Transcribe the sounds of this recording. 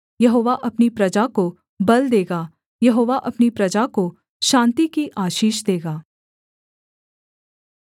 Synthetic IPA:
jɐɦoːʋaʔɐpnipɾɐd͡ʒako | bɐld̪eːɡaː | jɐɦoːʋaʔɐpnipɾɐd͡ʒako | ʃãːnt̪ikiʔaːʃiːʃd̪eːɡaː

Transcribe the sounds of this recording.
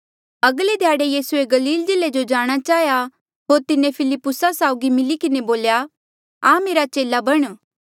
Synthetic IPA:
ɐɡled̪ʱjaːɽejiːsueɡɐliːld͡ʒɪled͡ʒod͡ʒaːɽ̃at͡ʃaːja | ɦoːɾt̪ɪnẽpʰɪlɪpːʊsasaːʊɡimɪlikɪneboːlja | ãːmeːɾat͡ʃeːlabɐɽ̃

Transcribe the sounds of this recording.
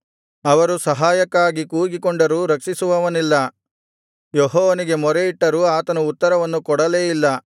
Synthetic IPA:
ɐʋɐɾusɐɦaːjɐkaːɡikuːɡikɔɳɖɐɾuːɾɐkʂisuʋɐʋɐnilːɐ | joɦɔːʋɐniɡe̞mɔɾeiʈːɐɾuːaːt̪ɐnuut̪ːɐɾɐʋɐnːukɔɽɐleːjilːɐ

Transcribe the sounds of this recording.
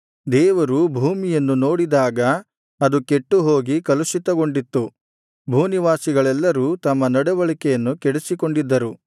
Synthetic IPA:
d̪ɛːʋɐɾubʱuːmijɐnːuno̞ːɽid̪aːɡɐ | ɐd̪uke̞ʈːuɦo̞ːɡikɐlusit̪ɐɡo̞ɳɖit̪ːu | bʱuːniʋaːsiɡɐɭɛlːɐɾuːt̪ɐmːɐnɐɽɛʋɐɭikɛjɐnːukɛɽesiko̞ɳɖid̪ːɐɾu

